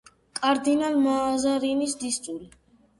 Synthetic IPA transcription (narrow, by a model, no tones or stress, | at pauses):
kʼaɾd̪inalmaːzaɾinisd̪ist̪sʼuli